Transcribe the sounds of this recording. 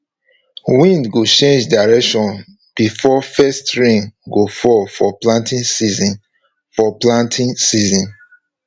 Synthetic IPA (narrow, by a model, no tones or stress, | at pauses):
wĩndɡot͡ʃẽnd͡ʒdaɹɛkʃɔ̃n | b̥ifɔfɛstɹĩŋɡofɔfɔplãntĩnsizĩn | fɔplãntʰĩnsizĩn